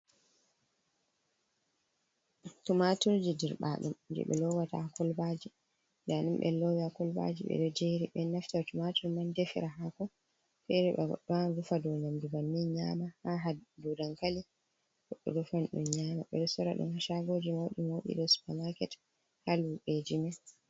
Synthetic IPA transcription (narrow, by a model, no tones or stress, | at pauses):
tumatuɾd͡ʒidiɾɓa̰ɗṵmd͡ʒɛ̰ɓɛ̰lɔwatakɔlbad͡ʒi | ndanumɓɛ̰lɔwiakɔlba̰d͡ʒḭɓɛ̰ɗɔd͡ʒeɾiɓɛnaftatumatuɾmandefiɾaɦakɔ | fɛɾɛɓɛɡɔ̰ɗɔanɡufadɔnamdubanːiɲaːmahaɦadudaŋkali | ɡɔɗːɔ̰dufanɗumɲamaɓɛ̰ɗɔsɔɾaɗṵmhaʃaɡod͡ʒimoɗḭmoɗḭɗɔsu̥pamakɛt | haluɓed͡ʒimɛ